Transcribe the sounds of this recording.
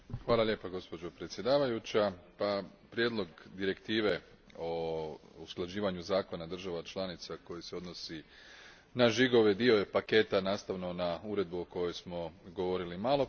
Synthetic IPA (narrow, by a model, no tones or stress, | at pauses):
xʋaːlˠalʲje̞ːpaɡo̞spo̞d͡ʑo̞pɾe̞t̪sʲjed̪aːʋajut͡ɕapapɾje̞d̪lo̞ɡd̪iɾe̞kt̪iːʋe̞ | ousklˠad͡ʑiːʋaɲuzaːko̞nad̪r̩ʒaʋat͡ʃlˠanit̪sako̞jise̞o̞d̪no̞si | naʒiɡo̞ʋe̞d̪io̞jepake̞ːt̪anaːst̪aʋno̞nauːɾe̞d̪̚buoko̞jojsmo̞ɡo̞ʋo̞ɾilimaːlo̞